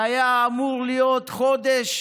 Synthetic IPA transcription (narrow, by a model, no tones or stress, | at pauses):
ajaːmuʁlijot̪χod̪eʃ